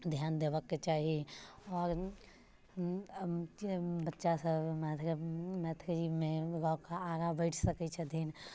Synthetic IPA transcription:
d̪ʱjaːnd̪eʋəkːet͡ʃaːɦiɔːɾ | bətːʃasəbmɛt̪ʰmɛt̪ʰkd͡ʒimẽɡɔkaːɾabəɪʈʰsəkɛt͡ʃʰɛd̪ʱin

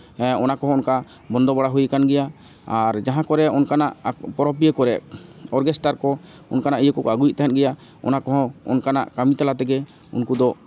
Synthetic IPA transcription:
ɛɔnakɔɦɔ̃ɔnka | bɔnd̪ɔbaɽaɦujkanɡɛja | aɾd͡ʒaɦãkɔɾɛɔnkana̰ʔpɔɾɔp̬ijəkɔɾɛɔɾɡɛsʈaɾkɔ | ɔnkanaʔijəkɔkɔaɡujiʔ̚t̪aɦɛt̪̚ɡɛja | ɔ̰nakɔɦɔ̃ɔ̰nkana̰ʔkamit̪alat̪̬ɛɡɛ | ṵnkud̪ɔ

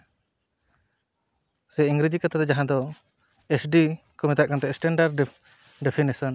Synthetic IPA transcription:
sɛiŋɡɾid͡ʒikat̪ʰat̪ɛd͡ʒaɦãd̪ɔ | esɖi | kɔmɛt̪aʔkant̪ɛsʈɛɳɖaɾɖ | ɖepʰinisɔn

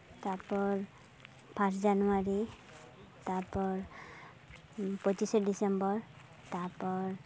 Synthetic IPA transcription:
t̪apɔɹ | pʰasd͡ʒanuaɹi | t̪aɹpɔɹ | pɔt͡ʃisɔdisɛmbɔɹ | taɹpɔɹ

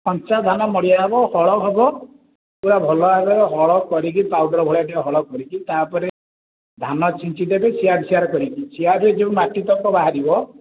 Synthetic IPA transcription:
pɔnt͡ʃasd̪ʱanɔmɔɽijabɔhɔɭɔɦɔbɔ | uɾabʱɔlɔabeɾɦɔɭɔkɔɾik̬ipawɖɔɾɔbʱɔɭaʈiaɦɔɭɔkɔɾikit̪apɔɾe | d̪ʱanɔt͡ʃint͡ʃid̪ebesiabʱisiaɾɔkɔɾikisiabed͡ʒeũmaʈit̪ɔkɔbaɦaɾibɔ

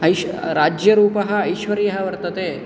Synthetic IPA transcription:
ɐjɾaːd͡ʒjɐɾuːpɐɦɐːjʃʋɐɾiːɐɦɐʋɐɾt̪ɐt̪eː

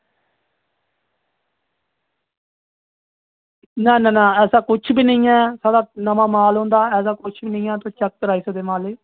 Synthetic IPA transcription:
nɛ̃ːnɛ̃ːnɛ̃ːɛːsaːkʊt͡ʃʰbiːnəĩːɛːsaːdaːnəmãːmaːlɦõːnd̪aːɛːs̬aːkʊt͡ʃʰbiːnəĩːɛ̃ːt̪õːt͡ʃək̚k̪əɾaːiːsəd̪eːmaːleː

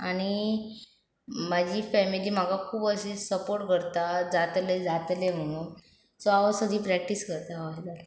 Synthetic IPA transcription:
aɽ̃i | mad͡ʑʱiːfɛmiliːm̤aɡakʰuːbəsesəpoɾʈ̚kəɾt̪ad͡zat̪led͡zat̪lem̤əɽ̃uːn | sɔaʋəsəd̪ʱiːpɾɛk̚ʈiskəɾt̪aɦaɦed͡zat̪

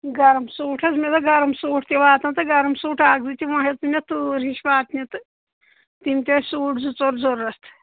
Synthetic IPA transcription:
ɡɐɾmsuːʈʰɐzmet̪ɐɡɐɾɐmsuːʈʰt̪ʲiʋaːt̪ɐnt̪ɨɡɐɾɐmsuːʈʰaːɡ̚zɨt̪ʲiʋɐ̃ɦet̪nʲɐt̪uːɾiʃʋaːt̪nʲit̪ɨ | t̪imt̪ʲesuːʈʰzut͡soɾzoɾɐst̪ʰ

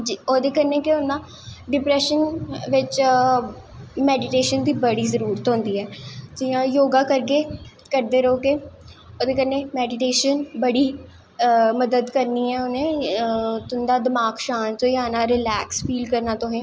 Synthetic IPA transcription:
d͡ʒiːoːd̪eːkəɾneːkeõnd̪aː | ɖɪpɾɛːʃənʋɪt͡ʃ | mɛːɖɪʈeːʃənd̪iːbəɽiːzəɾuːɾət̪ɦõːnd̪iːɛːd͡ʒɪãːjoːɡaːkəɾɡeː | kəɾd̪eːɾəoːɡeː | oːd̪eːkəɾnẽːmɛːɖɪʈeːʃənbəɽiː | məd̪əd̪kəɾniːɛːʊnẽː | t̪ʊnd̪aːd̪əmaːkʃaːnt͡ʃoiaːnaːɾɪlɛːkspiːlkəɾnaːt̪ʊɦẽː

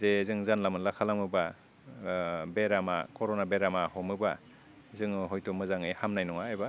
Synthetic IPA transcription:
zezɯŋzanlamɯnlakʰalaŋmɯba | beɾama̰kʰɔɾɔnabeɾamahɔmɯba | zɯŋɦɔjtʰɔmɯzaŋɯjhamnajnɔŋaːjba

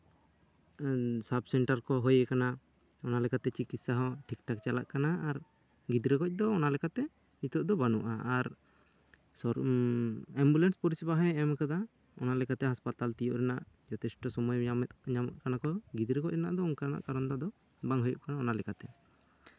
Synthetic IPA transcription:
sab̚sɛɳʈaɾkɔɦojɛkana | ɔnalɛkat̪ɛt͡ʃikit̪saɦɔʈʰikʈak̚t͡ʃala̰ʔkanaːɾ | ɡid̪ɾɛɡɔc̚ˀd̪ɔːnalɛkat̪ɛ | it̪ɔʔd̪ɔbanṵʔa̰aɾ | ɔ | ɛmbulɛnspɔɾisibaɦɔjɛmkad̪a | ɔ̰nalɛkat̪ɛɦaspat̪alt̪ijɔʔɾɛnaʔ | d͡ʒɔt̪ɛsʈɔsɔmɔjmɲamʔ̪kanakɔɡid̪ɾɛɡɔc̚ɾɛna̰ʔd̪ɔuŋkaɾana̰ʔkaɾɔnd̪ɔd̪ɔ | baŋɦɔjɔʔkanaɔnalɛkat̪ɛ

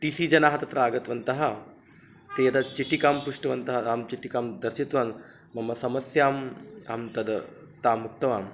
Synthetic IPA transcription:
ʈiːsiːd͡ʒɐnaːɦɐt̪ɐt̪ɾaːɡɐt̪ʋɐnt̪ɐɦɐ | t̪eːjɐd̪ɐt͡ʃiʈːikaːmpuʂʈɐʋɐnt̪ɐɦɐaːmt͡ʃiʈikaːmd̪ɐɾʃit̪ʋaːn | mɐmːɐsɐmɐsjaːmaːmt̪ɐd̪ | t̪aːmuk̚t̪ɐʋaːm

